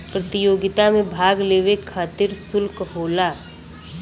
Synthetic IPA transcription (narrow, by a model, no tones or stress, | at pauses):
pɾət̪ɪjoːɡɪt̪amẽbʱaːɡleːʋekʰːaːt̪ɪɾsʊlkɦoːlaː